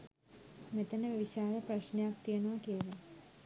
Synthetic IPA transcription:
met̪ɐnəʋɐʋiɕaːɾɐprɐɕnejak̚t̪iɐnuʋɐkiɐlɐ

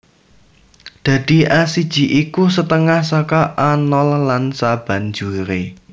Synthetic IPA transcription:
d̪̥ä̤d̪̥i̤ʔasid̥ʒ̥i̤ʔikusət̪əŋahsɔkɔʔanɔlːansab̥a̤nd͡ʒuɾe

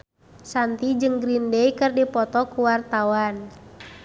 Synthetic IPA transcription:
sant̪id͡ʒɨŋɡɾindɛikɨrdipɔt̪ɔkuwart̪awan

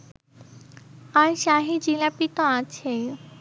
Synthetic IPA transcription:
aɾʃaɦid͡ʑilapit̪oat͡ɕʰe

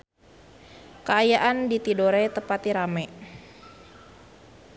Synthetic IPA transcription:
kəajaʔandit̪idoɾɛt̪əpat̪iɾamɛ

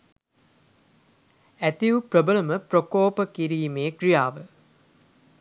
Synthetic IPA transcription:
æt̪iuprəbələməprokoːpəkiɾiːmeːkrijaːʋə

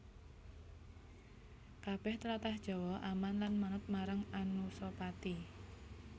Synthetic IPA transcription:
kab̥ɛht̪əlat̪ahd̥ʒ̥ɔ̤wɔʔamanlanmanət̪̚maɾaŋanusɔpat̪i

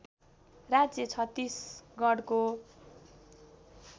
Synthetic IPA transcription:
rad͡zjʌt͡sʰʌt̪ːisɡʌɽko

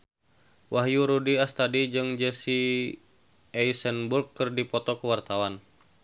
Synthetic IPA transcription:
wʔaɦjuɾudiast̪adid͡ʒɨŋd͡ʒɛsi | ɛjsənburkːɨrdipɔt̪ɔkəwart̪awan

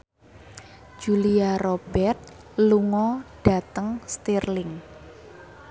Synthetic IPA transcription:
d͡ʒuliaɾob̥ɛrt̪̚ | luŋɔɖ̥a̤t̪əŋst̪irlɪŋ

